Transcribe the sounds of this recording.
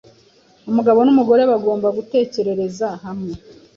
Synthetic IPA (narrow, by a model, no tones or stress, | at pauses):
umuɡaβo̞numuɡo̞ɾeβaɡo̞ːmbaɡute̞ːce̞ɾe̞ɾe̞zaɦamŋe̞